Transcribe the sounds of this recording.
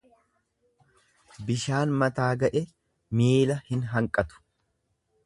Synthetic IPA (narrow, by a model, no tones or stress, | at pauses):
bɪʃaːnmɐt̪aːɡɐʔɛ | miːlɐhɪnɦɐŋkʼɐt̪ʊ̥